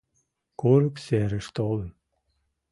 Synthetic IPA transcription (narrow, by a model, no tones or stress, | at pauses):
koɾəkseɾəʃt̪olən